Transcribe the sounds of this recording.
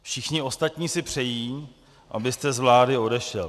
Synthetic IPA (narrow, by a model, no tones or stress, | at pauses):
fʃɪxɲɪo̞st̪at̪ɲiːsɪpr̝̥ɛjiː | ʔabɪst̪ɛzvlaːdɪo̞dɛʃɛl